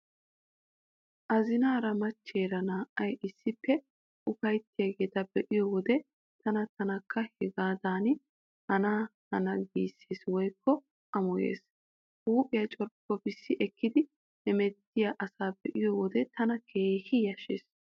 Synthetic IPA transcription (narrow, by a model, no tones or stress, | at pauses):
ʔɐzɪnaːɾɐmɐt͡ʃːeːɾɐnaːʔɐjʔɪsːɪpːɛ | ʔʊfɐjt̪ːɪjɐɡe̞ːt̪ɐbɛʔɪjɔwɔd̪ɛ | t̪ʰɐnɐt̪ɐnɐkːɐhɛɡaːd̪aːnɪ | hɐnaːhɐ̰nɐɡiːsːeːswɔjkːɔ | ʔɐmʊjḛːs | huːpʼɪjɐt͡ʃʼɔɾpːɔbɪsːɪʔɛkːɪd̪ɪ | hɛmɛt̪ːɪjaːʔɐsaːbɛʔɪjɔwɔd̪ɛt̪ʰɐnɐkʰe̞ːhɪjɐʃeːs